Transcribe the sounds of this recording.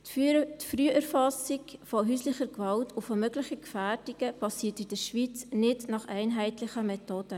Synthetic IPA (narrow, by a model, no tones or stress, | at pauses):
tfryəʔəɾfɑsɪkfɔɦyːslɪχəɾkvɑltʰʊfɔmœɡlɪχəkfæːɾd̥iɡ̥əb̥ɑsiːtid̥əɾʃvit͡snɪdnɑχæɪnɦɛɪtlɪχəmɛtod̥ə